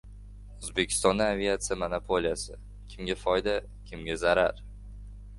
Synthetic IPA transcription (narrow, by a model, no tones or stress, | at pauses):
ʊzbekʲʰɪ̥st̪ɒnd̪aavʲiat̪sɨjamonapʰolijasɪ̰ | kʲʰɪmɡʲafɒjd̪a | kʲʰɪmɡʲazaɾaɾ